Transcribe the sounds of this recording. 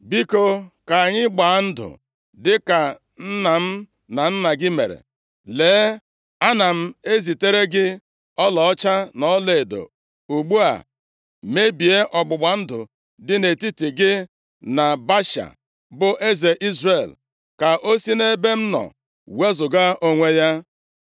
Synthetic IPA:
bi˦ko˨ka˨ɲɪ˦ɡ͡ba˨˦n̩˦dʊ̰˨ | dɪ˦ka˨ | n̩˦na˨m̩˦ | na˨n̩˦na˨ɡɪ˦me˨ɾḛ˨ | leː˨˦ | a˦na˨m̩˦e˦zi˨te˦ɾe˦ɡɪ˦ | ɔ˦lɔ˨ɔ˦t͡ʃa˦nɔ˦le˨do̰˨ | u˨ɡ͡bu˦a̰˨ | me˦bi˨e˦ʔɔ˨ɡ͡bʊ˨ɡ͡ba˨˦n̩˦dʊ̰˨ | dɪ˦ne˨ti˦ti˨ɡɪ˦ | na˨ba˦ʃa̰˨ | bʊ˨ʔe˦ze˨ʔi˦zre˨l | ka˨ʔo˦si˦ne˦be˦m̩˦nɔ̰˨ | we˦zʊ˨ɡa˦ʔo˦ŋʷe˦ja˦

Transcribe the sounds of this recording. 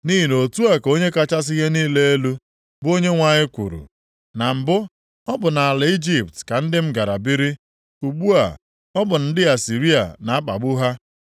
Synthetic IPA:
ni˦ɦi˨no˨tu˦a˨ko˦ɲe˦ka˦t͡ʃa˦s̬i˦ɦe˦niː˦le˦e˦lu˦ | bʊ˦o˦ɲe˦ŋʷa˨ɲɪ˦kʷṵ˨ɾṵ˨ | na˨m̩˨bʊ˦ | ɔ˦bʊ˨na˨a˨lɪ˨i˦d͡ʒi˨ptka˨n̩˦dɪ˦m̩˦ɡa˨ɾa˨bi˦ɾi˦ | u˨ɡ͡bu˦a̰˨ | ɔ˦bʊ˨n̩˦dɪ˦a˨si˨ɾi˦a̰˨na˨a˦k͡pa̰˨ɡ͡bʊ˦ɦa˦

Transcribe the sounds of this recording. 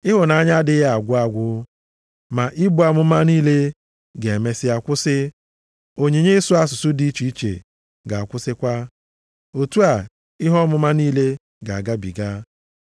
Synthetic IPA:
ɪ˦ɦʊ˨na˨a˦ɲa˦dɪ˦ɣa˨ɡʷʊ˦a˨ɡʷʊ˦ | ma˨ʔɪ˦bʊ˨˦a˨mʊ˦ma˦niː˦le˦ | ɡe˨e˨me˦sɪ˦a˨kʷʊ˦sɪ˦ | o˨ɲe˨ɲe˦sʊ˦a˦sʊ˨sʊ˦di˦i˦t͡ʃu˨i˦t͡ʃḛ˨ | ɡa˨a˨kʷʊ˦sɪ˦kʷa˦ | o˨tu˦a˨ | ɪ˦ɦɔ˦mʊ˦ma˦niː˦le˦ | ɡa˨a˨ɡa˦bi˨ɡa˦

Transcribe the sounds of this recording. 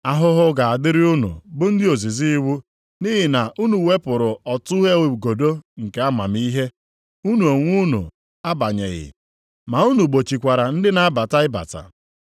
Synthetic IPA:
a˦ɦʊ˦ɦʊ˦ɡa˨a˨dɪ˦ɾɪ˦u˦nṵ˨bʊ˦n̩˦dɪ˦o˨zi˨zi˦wu˦ | ni˦ɦi˨na˨ʔu˦nu˨we˦pʊ˨ɾʊ˨ɔ˨tʊ˦ɦe˦˨ɡo˨do˦ŋ̩˨ke˨˦a˦ma̰˨mi˦ɦe˦ | u˦nu˨o˨ŋʷu˦nṵ˨ | a˦ba˨ɲḛ˨ɣɪ̰˨ | ma˨u˦nu˨ɡ͡bo˨t͡ʃi˨kʷa˨ɾa˨n̩˦dɪ˦na˦a˦ba˨ta˦ɪ˦ba̰˨ta̰˨

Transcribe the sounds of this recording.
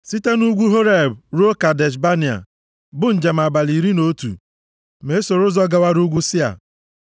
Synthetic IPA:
si˦te˦nu˦ɡʷu˦ɦo˦ɾe˨bɾo˦ka˨de˨ʃ̬ba˦ni˨a̰˨ | bʊ˦n̩˨d͡ʒe˨m̩˨a˨ba˨li˨ɾi˦no˦tṵ˨ | me˨˦so˨ɾʊ˦zɔ˦ɡa˨wa˦ɾu˦ɡʷu˦sɪ˦a̰˨

